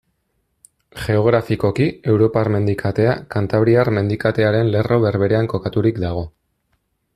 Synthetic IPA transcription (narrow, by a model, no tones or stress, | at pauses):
ʝe̞o̞ɣɾafiko̞kie̞wɾo̞paɾme̞nd̪ikʰat̪e̞akant̪aβɾiarme̞nd̪ikat̪e̞aɾe̞nle̞rʔo̞βe̞ɾβe̞ɾe̞aŋko̞kat̪uɾikd̪aɣ̞o̞